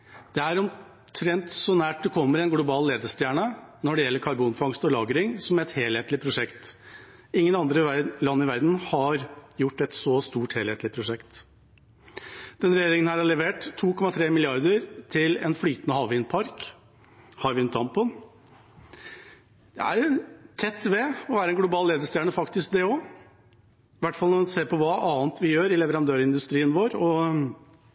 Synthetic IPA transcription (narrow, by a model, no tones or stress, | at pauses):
d̪̥ɛæɾɔm | t̪ʰɾɛnt̪sɔnæːʈ̚d̪ɛkʰɔmːəɾɛnɡlʊbɑːlleːd̪əst̪jæːɳənɔɖɛjɛlːəɾkʰɑɾbuːnfɑŋst̪ɔlɑːɡəɾɪŋsɔmɛt̪heːlheːt̪lɪpʰɾʊʂɛkt̪ | ɪŋːənɑnd̪ɾəlɑnːɪʋæɾd̪n̩hɑɾjʊʈːɛt̪sɔst̪uːʈheːlheːt̪əlɪpʰɾʊʂɛkt̪ | d̪̥ɛnɾɛjeːɾɪŋənhæːɾhɑɭɛʋeːʈt̪ʰːuːkʰɔmɑt̪ʰɾeːmɪlɪɑɾd̪əɾt̪ʰɪlɛ̰nflyːt̪ənəhɑːʋɪnpʰɑɾk | hɑɾʋɪnt̪ʰɑmpɔn | d̪̥ɛ̰æ̰ɾt̪ʰɛt̪ːʋɛɔʋæːɾəɛnɡlʊbɑːlleːd̪əʂt̪jæɳəfɑkt̪ɪsk̚d̪ɛɔ | ɪʋæʈːfɑlɔmnseːpʰɔʋɑːʔɑːnt̪ʋɪjøːɾɪlɛʋəɾɑnd̪øːɾɪnd̪ʉst̪ɾiːənʋoːɾɔ